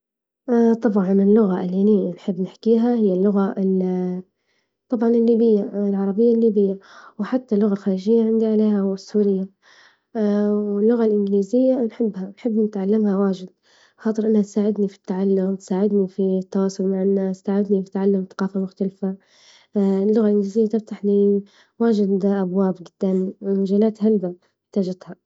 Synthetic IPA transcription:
ʔt̪ˤɑbʕɑnɪlːʊɣaʔɪlːininħɪbːnɪħkiːɦahɪjːalːʊɣaɪl | t̪ˤɑbʕɑnɪlːiːbɪjːalʕɑɾˤɑbɪjːalːiːbɪjːawħat̪ːalːʊɣalxaːɾiʒɪjːaʕɪnd̪iʕaleːhawɪsːuːɾɪjːa | wɪlːʊɣalʔɪnɡɪliːzɪjːanħɪbːhanħɪbːnɪt̪ʕalːamhawaːʒɪd̪̚ | xɑːt̪ˤɨɾʔɪnːhat̪saːʕɪd̪nifi̥t̪ːaʕalːʊmt̪saːʕɪd̪nifit̪ːawɑːsˤʊlmaʕɪnːaːst̪aːʕɪd̪nifit̪aʕalːʊmθḁqɑːfamʊxt̪alfa | lːʊɣalʔɪnɡliːzɪjːat̪ɪft̪aħni | waːʒɪd̪ʔabwaːbɡɪd̪̥ːammʒaːlaːt̪halba | ɪħt̪aːd͡ʒat̪ha

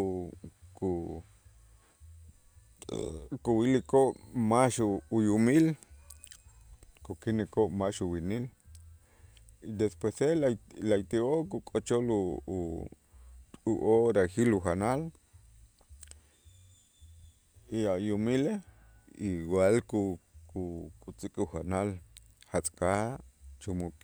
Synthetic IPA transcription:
ku | kuwilikoʔmaʃuujumil | kukinekoʔmaʃuwinil | id̪espwesellajt̪iʔokukʼot͡ʃolu | uʔoɾaxiluxanal | iajumile | iwalkukukʼut͡sikʼuxanal | hat͡sʼkat͡ʃumukʼ

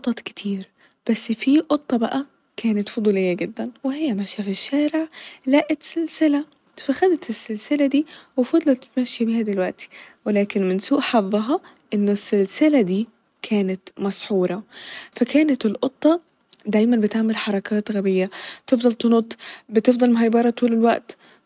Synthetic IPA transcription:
ʔt̪ˤːɑt̪kɪ̥t̪ʰiːɾ | b̥æsːfiʔot̪ˤːɑbæʔæ | kʰæːnɪt̪fod̪ˤuːlejːæɡɪd̪ːænwehɪjːæmæʃjæfiʃːæːɾeʕlæːʔɪt̪selsɪlæ | fæxæd̪æt̪esːelsɪlæd̪iːwefɑd̪ˤlɑt̪mæʃjæbiːhæd̪elwæʔt̪ʰi̥welæːkenmɪnsuːʔħɑðˤːɑɦɑ | ʔenːesːelsɪlæd̪iː | kʰæːnæt̪mɑsħuːɾˤɑfækæːnæt̪elʔot̪ˤːɑ | d̪æjmænbet̪aʕmelħɑɾˤɑkʰæːt̪ɣæbɪjːæt̪efd̪ˤɑlt̪enot̪ˤbɪt̪efd̪ˤɑlmɦæjbɑɾˤɑt̪uːlelwæʔt̪

